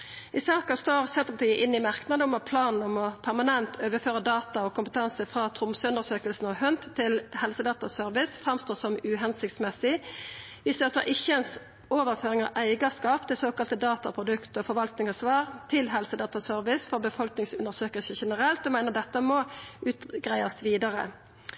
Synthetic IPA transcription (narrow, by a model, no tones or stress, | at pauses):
ʔɪsɑːkɑst̪oːʁsɛnt̪əpʰɑt̪ʰiːəʔɪnːɪmɑʁknɑd̪əʊmɑpʰlɑːnn̩ɔmɔpʰæʁmɑnɛnt̪ʰøːʋəføːʁəd̪ɑːt̪ɑɔkʊmpət̪ʰɑnsəfʁɑt̪ʰʁʊmsəʉnd̪əʁsøːkəlsn̩ɔhœnt̪ʰːɪlhɛlsəd̪ɑːt̪ɑsœɾʋɪsfʁɑmst̪oːsɔmʉːɦɛnsɪk̚t̪smɛsːɪ | ʋɪstd̪ʉɑt̪d̪ə̰ʔɪçːəɛns | oːʋəʁføːɾɪŋɑ̰ʋʔæɪɡɑskɑːpt̪ʰɪlsoːkɑlt̪əd̪ɑːt̪ɑpʰɾʊd̪ʉkt̪ɔfɔɾʋɑlt̪nɪŋɑsʋɑːʁt̪ʰɪlɦɛlsəd̪ɑːt̪ɑsœʁʋɪsfɔʁbəfɔlknɪŋsʉnd̪əʁsøːkəlsəçɛnəʁɛlt̪ɔmæɪnəʁd̪ɛt̪ːəmɔʔʉːt̪ɡʁæɪɑsʋiːd̪ɑʁə̰